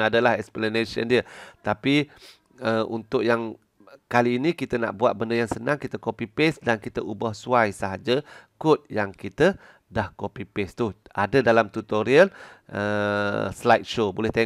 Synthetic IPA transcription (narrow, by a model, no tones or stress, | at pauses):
adəlaɦɛksplanesə̰ndiət̪api | əʔunt̪ʊʔjaŋ | kaliːnĩkit̪əna̰ʔbuat̪̚bəndəjaŋsənãŋkit̪əkopipesdankit̪əʔubɔhsuajsəɦad͡ʒəkʊt̪̚jaŋkit̪ə | dahkopipest̪ua̰dədalamt̪ut̪oɾiələslajt̪̚ʃobolɛht̪ɛ